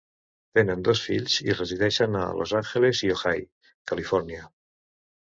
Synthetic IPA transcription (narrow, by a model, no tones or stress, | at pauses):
t̪enənd̪osfiʎzireziðɛʃəna̰lʔo̰zaŋxelezioxaj | kalifɔɾnia